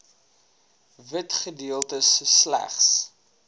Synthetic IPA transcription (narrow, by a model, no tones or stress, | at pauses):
vətχədiəlˠtəsslæ̰χs